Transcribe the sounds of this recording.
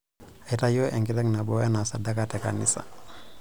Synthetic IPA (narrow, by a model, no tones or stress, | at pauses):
atajoʔɛŋɡitɛŋnaɓɔjanasadakatɛka̰nisa̰